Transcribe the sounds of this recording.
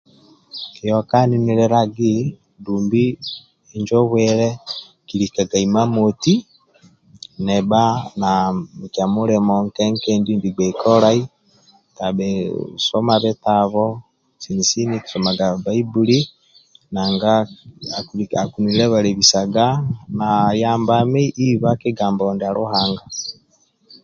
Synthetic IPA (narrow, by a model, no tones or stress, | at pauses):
kijokaniniɾɛɾaɡi | duːmbi | eɲd͡ʒoβwɛɾɛ | kiɾikaɡaimamoti | nebanamut͡ʃamuɾemoŋkeŋkendindiɡeikʰoɾai | tabɛsomaβɛtaβɔ | sinisiniku̥somaɡaβaibuɾi | naŋɡa | kuakuniɾɛβaɾeβisaɡanajaːmbameʔiβakeɡaːmbɔndeaɾoɦaːŋɡa